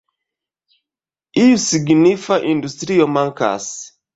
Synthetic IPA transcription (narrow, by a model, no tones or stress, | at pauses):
ijusiɡnifaʔĩndustɾiɔmãŋka̰s